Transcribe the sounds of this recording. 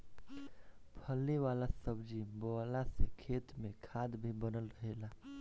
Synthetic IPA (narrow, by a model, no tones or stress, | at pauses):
pʰəlːeʋaːlasəbd͡ʒibɔːlasekʰeːt̪mẽkʰaːd̪bʱibənəlɾəɦelaː